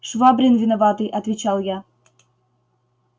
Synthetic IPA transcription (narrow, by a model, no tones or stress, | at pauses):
ʂvabɾʲɪnvʲɪnɐvɑt̪ɨjʔɐt̪vʲɪt͡ɕalˠja